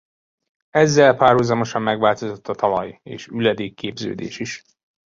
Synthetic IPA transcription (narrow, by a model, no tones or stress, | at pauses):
ɛzːɛlpaːrhuzɒmo̞ʃɒmːɛɡʋaːlt̪o̞zo̞t̪ːɒt̪ɒlɒjeːʃylːɛd̪eːkːeːbzø̰ːd̪ḛːʃiʃ